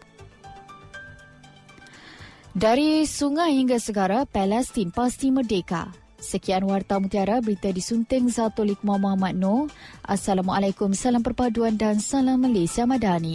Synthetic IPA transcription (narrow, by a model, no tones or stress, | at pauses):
daɾisuŋahiŋɡasəɡaɾapɛlɛst̪inpast̪imərdeka̰ | səkianwart̪amut̪iaɾabəɾit̪adisunt̪ɪŋzat̪olik̚mamoamat̪̚noʔa̰salamalakʊmsalampərpaduandansalamːalesiamadani